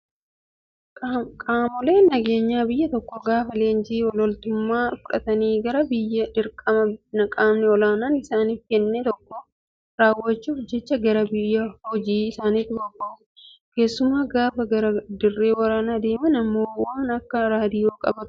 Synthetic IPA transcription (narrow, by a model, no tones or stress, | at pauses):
kʼːkʼaːmɔleːnnɐɡe̞ːɲːaːbɪjːɐt̪ɔkːɔɡaːfɐleːnd͡ʒiːwɔlɔlt̪ʊmːaːfʊᶑɐ̰t̪ɐniːɡɐɾɐbɪjːɐᶑɪɾkʼɐmɐnɐkʼaːmnɛɔlaːnaːnɪsaːniːfkɛnːɛt̪ɔkːɔ | ɾaːwːɐt͡ʃːuːfd͡ʒːɛt͡ʃːɐɡɐɾɐbɪjːɐhɔd͡ʒiːɪsaːniːt̪ːɪɔkːo | ke̞ːsːʊmːaːɡaːfɐɡɐɾɐd̪ɪrːe̞ːwɐɾaːnaːd̪e̞ːmɐnɐmːoːwaːnɐkːɐɾaːd̪ɪjoːkʼɐ̰bɐ̥